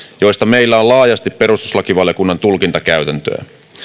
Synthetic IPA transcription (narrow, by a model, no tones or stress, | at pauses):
jo̞jst̪ɑmeilːæolɑːjɑst̪ippe̞ɾust̪uslɑkiʋɑljo̞kunːɑnt̪ulkint̪ɑkæyɥt̪ænt̪ø̰ː